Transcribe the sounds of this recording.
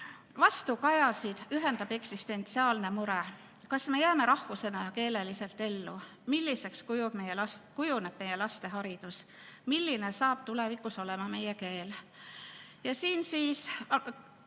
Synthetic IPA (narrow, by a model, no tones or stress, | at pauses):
vɑst̪ukɑjɑsid̪̥yɦe̞nd̪ɑb̥e̞ksist̪e̞nt̪siɑːlne̞muɾe | kɑsme̞jæːme̞ɾɑhvuse̞nɑjɑke̞ːle̞lise̞lt̪ːe̞lːu | milːise̞kskujub̥mejeskujuneb̥̚me̞je̞lɑst̪e̞ɦɑɾid̪̥us | milːine̞sɑːb̥̚t̪ule̞vikːˑuso̞le̞mɑme̞jeke̞ːl | jɑsiːnsiːs